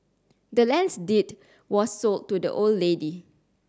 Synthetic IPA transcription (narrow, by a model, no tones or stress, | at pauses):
dəlɛ̃nsdit | wɔsːoltːudə̰ʔoldledi